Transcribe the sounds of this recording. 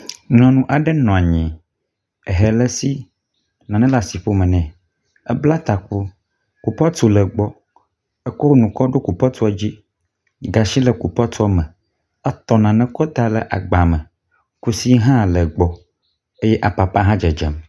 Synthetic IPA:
nɔ̃˨nũ˦ʔa˨ɖɛ˦nɔ̃˨a˨ɲĩ˨ | ɛ˨ɦɛ˨lɛ˦si˦ | nã˨nɛ̃˦la˨si˨ɸo˦mɛ̃˨nɛ̃˨ | ɛ˦bla˦t̪a˨k̚u˦ | ku˨pɔ˦t̪u˨lə˨ɡ͡bɔ˦ | ɛ˦ko˦nũ˨kɔ˦ɖo˦ku˨pɔ˦t̪u˦ɔ˦d͡ʑi˦ | ɡa˨ʃi˦lɛ˨ku˨pɔ˦t̪ɔ˦mɛ̃˨ | ɛ˦t̪ɔ˨nã˨nɛ̃˦kɔ˦t̪a˦lɛ˨ʔa̰˨ɡ͡ba˨mɛ̃˨ | ku˦si˦ɦã˦lə˨ɡ͡bɔ˨ | e˦jɛ˦ʔa˨pa˨pa˦ɦã˦d͡ʒɛ˨d͡ʒɛ̰˨m

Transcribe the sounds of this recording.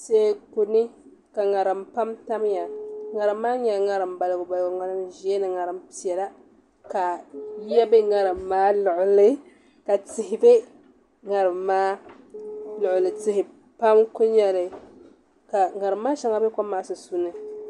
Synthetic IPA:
se˨˦˨ku˨nɨ˦ | ka˨ŋa˨ɾɨ˨mpa˦mta˦m˦ja˨ŋa˨ɾɨ˨mːaː˦ɲɛ˨lŋa˨ɾɨ˨mba˨lɨ˨ɡʊ˨ba˨lɡʊ˨ŋa˦nɨ˦mʒi˦ɛ˦nɨ˨ŋa˨ɾɨ˨mpi˨ɛ˨la˦ | ka˨˦ɛ˦bɨ˦ŋa˨ɾɨ˨mːaː˦lʊ˨ʔʊ˨lɨ˦ | ka˨tɪ˨hɪ˨bɛ˦ | ŋa˨ɾɨ˨mːaː˦ | lʊ˨ʊ˨lɨ˨tɪ˨hɪ˨ | pa˦mkʊ˦ɲɛ˨lɨ˨ | ka˨ŋa˨ɾɨ˨mːaː˦ʃɛ˦ŋa˦bɛ˦ka˦mːaː˨˦sɨ˨su˦nɨ˦

